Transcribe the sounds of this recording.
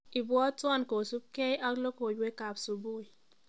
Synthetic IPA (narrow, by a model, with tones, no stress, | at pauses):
i˨bwɔ˦twɔ˦˨nko˨su˦p̚ke˦ja˦klo˦ko˨we˦ka˨psu˨bu˦i˨